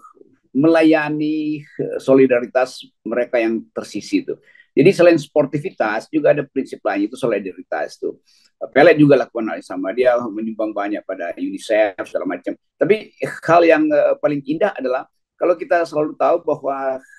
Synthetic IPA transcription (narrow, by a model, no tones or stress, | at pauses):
məlajanisolidaɾit̪as | məɾekajaŋt̪ərsisit̪ṵ | d͡ʒadisəlaɪnspɔrt̪ifit̪asd͡ʒuɡaːdapɾinsɪp̚laɲit̪usolidaɾit̪a̰st̪ṵ | pɛlɛk̚d͡ʒuɡalakukana̰lisamadiaməɲumbaŋbaɲak̚pada̰junisɛfsəɡala̰mat͡ʃam | t̪apihaljaŋpalɪŋindaɦadalah | kalawkit̪asəlalut̪aubaɦwa